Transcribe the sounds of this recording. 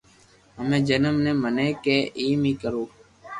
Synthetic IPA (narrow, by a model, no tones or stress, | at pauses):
ɦəmẽːd͡ʒənəmnẽːməneːkeːʔiːmĩːkəɾoː